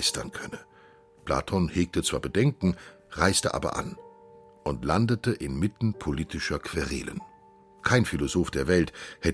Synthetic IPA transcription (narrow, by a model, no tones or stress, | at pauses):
ɪstɐnkʰœnə | pʰl̥a̰ːtʰɔnheːk̚tət͡sv̥aːbədɛŋkŋ̩ | ʁaɪstəʔa̰ːbɐ̰ʔa̰n | ʔʊntlandətəʔɪnmɪtn̩pʰoliːtɪʃɐkʰv̥eʁḛːlə̰n | kʰaɪnfilozoːfd̥eːɐvɛlthɛ